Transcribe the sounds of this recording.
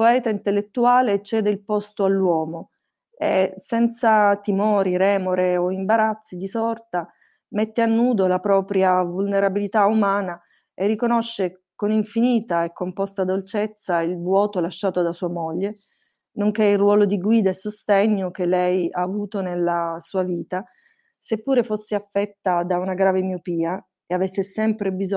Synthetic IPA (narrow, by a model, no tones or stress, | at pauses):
poɛːt̪aint̪elːet̪ːuaːlet͡ʃɛːd̪eilpɔst̪oalːwɔːmo | esɛnt̪sat̪imɔːɾiɾɛːmoɾeoimbaɾat̪sːid̪isɔrt̪a | met̪ːeanːuːd̪olapɾɔːpɾjavulneɾabilit̪aumaːna | erːikonoʃːekoniɱfiniːt̪aɛkːompɔst̪ad̪olt͡ʃet̪sːailvwɔːt̪olaʃːaːt̪od̪asuːamoʎːe | noŋkeirwɔːlod̪iɡwiːd̪aesːost̪ɛɲːok̟elːɛjaːvuːt̪onelːasuːaviːt̪a | sepːuːɾefosːeafːɛt̪ːad̪aunaɡɾaːvemiopiːa | eavesːesɛmpɾebiz